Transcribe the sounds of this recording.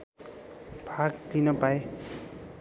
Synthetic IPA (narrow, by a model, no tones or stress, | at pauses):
b̥ʱaɡlinʌpae